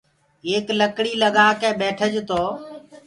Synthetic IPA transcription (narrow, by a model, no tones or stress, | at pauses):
eːkləkɽiːləɠaːkẽːɓeːʈʰəd͡ʒt̪oː